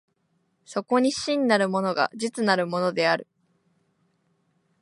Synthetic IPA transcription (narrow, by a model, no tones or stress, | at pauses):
so̞ko̞ɲ̟iɕĩɲ̟ʲinaɾɯ̟mo̞no̞ɡa̰d͡ʑit͡sɨnaɾɯ̟mo̞no̞d̪e̞aɾɯ̟